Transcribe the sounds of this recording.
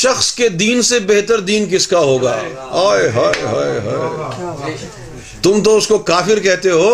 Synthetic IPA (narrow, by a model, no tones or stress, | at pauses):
ʃɐxsked̪iːnsebeɦt̪əɾd̪iːnkɪskaɦoːɡa̰ː | ɦaːeɦaːeɦa̰ːɦa̰ːe | t̪ʊmt̪̬oʊskokaːfɪɾkɛɦt̪eɦoː